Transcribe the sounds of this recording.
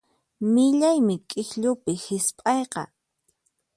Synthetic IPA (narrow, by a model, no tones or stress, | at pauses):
mɪʎajmɪkʼɪxʎʊpɪhɪspʼɑjqɑ̰